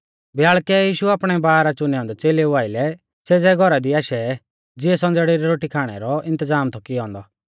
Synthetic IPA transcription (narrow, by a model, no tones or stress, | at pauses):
bjaːɭkɛjiːʃuaːpɽ̃ɛbaːɦɾat͡ʃʊnɛɔ̃ːnd̪ɔt͡seːleuaːɪlɛ | sed͡zɛɡʱɔɾad̪iaːʃɛ | d͡zɪɛsɔ̃nd͡zɽiɾiɾoːʈikʰaːɽ̃ɛ̰ɾɔɪ̃nt̪əzaːmt̪ʰɔkiɔ̃ːnd̪ɔ